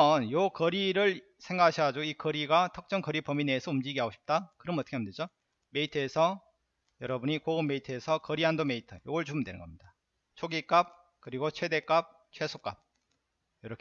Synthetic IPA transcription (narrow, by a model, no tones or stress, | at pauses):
ʌnjokʌɾiɾɯɭ | sʰe̞ŋɡaɕʰiad͡ʑoikʌɾiɡatʰʌk̚t͡ɕ͈ʌŋkʌɾipʌmineːsʰʌumd͡ʑiɡiɦaɡoɕʰi̥p̚t͈akɯɾʌmʌt͈ʌkʰeamnded͡ʑo | me̞itʰɯesʰʌ | jʌɾʌbuɲikoɡumːe̞itʰɯesʰʌkʌɾiɦandome̞itʰɯjoɡʌɭt͡ɕuɯndwenɯ̰nɡʌmɲida | t͡ɕʰoɡik͈ap̚ | kɯɾiɡot͡ɕʰwe̞de̞k͈ap̚ | t͡ɕʰwe̞sʰok͈a̰p̚ | jʌɾʌkʰ